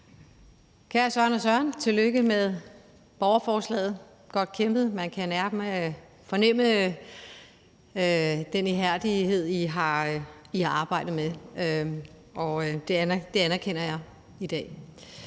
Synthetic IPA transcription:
kʰæːɐsɶɐnɒsɶɐnt͡sʰe̝lːøɡ̥əmeðˠ | b̥ɒʊɐfɒːslɛ̰ːð̞̩ˠ | ɡ̥ɒ̽d̥̚kʰemb̥ð̩ˠmænkʰænæɐ̥m | fɒ̽nem̰ə | d̥eniɦæɐ̰d̥ihe̝ð̞̰ˠiɦɑ̈ihɑ̈ɑ̈ːb̥ɑ̈ɪ̰d̥ð̩ˠme | ɒ̽d̥e̝d̥e̝ænɐkʰen̰ɐjɑ̈ɪ | id̥ɛ̰ː

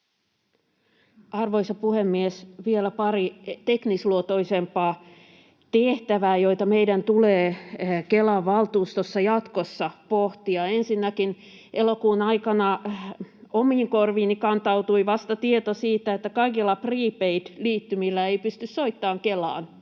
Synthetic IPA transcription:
ɑrʋoisɑpuhemːiesʋielæpɑrit̪eknisluot̪oisempɑː | t̪eht̪æʋæːjoit̪ɑmeidænt̪uleːkelɑʋʋɑlt̪uːst̪osːɑjɑt̪kosːɑpoht̪iɑensinːækin | ʔelokuːnɑikɑnɑ | omiːŋkorʋiːnikɑnt̪ɑut̪uiʋɑst̪ɑt̪iet̪osiːt̪æet̪ːækɑikilːɑpriːpeit̪liːt̪ːymilːæeipyst̪yssoit̪ːɑːŋkelɑ̰ːn

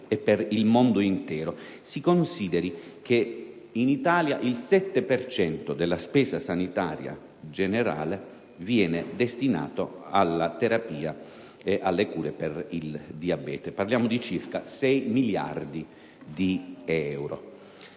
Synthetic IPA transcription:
ɛpːɛrilmond̪ʊint̪ɛːɾo | sikonsiːd̪ɛɾikʰe | init̪aːljaʔilsɛt̪ːepɛrt͡ʃɛnt̪od̪elːaspɛːzasanit̪aːɾja̰ | d͡ʒeneɾa̰ːle | vjɛːned̪est̪ina̰ːt̪oalːat̪eɾapiːa | eʔalːekuːɾepɛrild̪iabɛ̰ːt̪eparljaːmod̪it͡ʃirkasɛjmilja̰rd̪i | d̪iɛwɾo̰

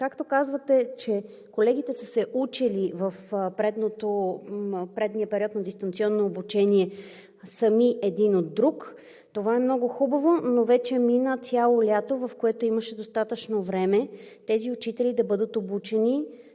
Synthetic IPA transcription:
kakt̪okazvət̪ɛt͡ʃɛ | kolɛɡ̟it̪ɛsəsɛʔut͡ʃilivəfpɾɛd̪not̪o | pɾɛd̪niəpɛɾʲiɔt̪nɐd̪ist̪ɐnt̪sʲiɔnːoːbut͡ʃɛniɛ | səmiʔɛd̪inod̪̚ːɾuk | t̪ovaɛmnɔɡʊxubɐvonovɛt͡ʃɛminət̪ʲjalˠolʲat̪ovɐfkoɛt̪oiməʃɛd̪ost̪at̪ət͡ʃnovɾɛmɛt̪ɛziʊt͡ʃit̪ɛlid̪ɐbɤd̪ət̪obut͡ʃɛni

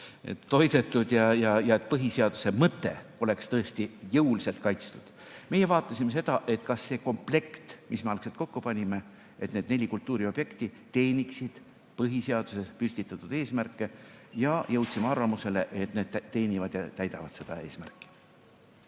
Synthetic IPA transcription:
e̞̰t̪ːo̞jd̪̥e̞t̪ːˑud̪̥jɑjɑjɑe̞t̪̚ːˑpɤɦiseɑd̪̥use̞mɤt̪ːˑe̞̰o̞le̞kst̪ɤe̞st̪ijɤwlise̞lt̪̚kɑjt̪st̪ud̪̥ | me̞jevɑːt̪ːˑɑsimes̬e̞d̪̥ɑʔe̞t̪kɑsːe̞ːko̞mple̞kt̪misme̞ɑlkselt̪̚ko̞kːupɑnʲime̞ | et̪ned̪̥̚ne̞lʲikult̪ːˑuːɾio̞b̥je̞kt̪i | t̪e̞ːnʲiksid̪̥ | pɤɦiseɑd̪̥use̞spysʲt̪it̪ːˑɑt̪ːˑud̪̥e̞ːsmærkːˑe̞jɑjɤwt̪ʲsimeɑrvɑmuse̞le̞ʔet̪ne̞ːd̪̥æt̪e̞ːnʲivɑd̪̥jɑt̪æjd̪ɑvɑd̪se̞d̪̥ɑe̞ːsmæ̰rkːˑi̥

